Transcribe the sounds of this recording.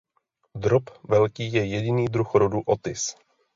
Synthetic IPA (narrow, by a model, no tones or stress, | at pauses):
d̪ɾopvɛlkiːjɛjɛɟɪniːd̪ɾuxɾoduʔot̪ɪs